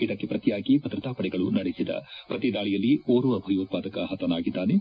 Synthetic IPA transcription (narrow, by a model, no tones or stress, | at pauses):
id̪ɐkːepɾɐt̪ijaːɡibʱɐd̪ɾɐt̪aːpɐɽɛɡɐɭunɐɽesid̪ɐ̰pɾɐt̪id̪aːɭijɐlːioːɾuʋɐbʱɐjoːt̪̚paːd̪ɐkɐɦɐt̪ɐnaːɡid̪ːaːne